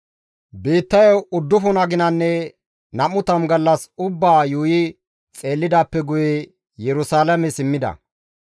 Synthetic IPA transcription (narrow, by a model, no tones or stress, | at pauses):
biːt̪ːɐjɔʊd̪ːʊfʊnɐɡɪnɐnːɛ | nɐmʊt̪ɐmɡɐlːɐsʊbːaːjuːjɪ | t͡sʼe̞ːlːɪd̪aːpːɛɡʊjɛ | jɛɾʊsaːlɐmɛsɪmːɪd̪ɐ̰